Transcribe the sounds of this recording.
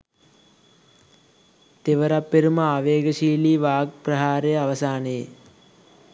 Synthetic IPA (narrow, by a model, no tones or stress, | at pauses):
t̪eʋɐɾapːeɾumɐaːʋeːɡɐʃiːliːʋaːɡ̚pɾɐɦaːɾejɐʋɐsaːnee